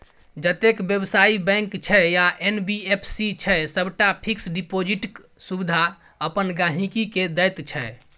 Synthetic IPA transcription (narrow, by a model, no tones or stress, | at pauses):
d͡ʒət̪ekbjəbsaibɛ̃ŋkt͡ʃʰɛjaʔenbiepʰsit͡ʃʰɛsəbʈapʰiksɖipod͡ʒiʈksubid̪ʱa | əpənɡaɦĩkiked̪əjt̪t͡ʃʰɛ